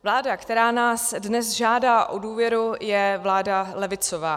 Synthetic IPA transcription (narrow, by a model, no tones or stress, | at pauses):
vlaːdakt̪ɛɾaːnaːsdnɛsʒaːdaːʔoduːvjɛɾujɛvlaːdalɛvɪt͡sovaː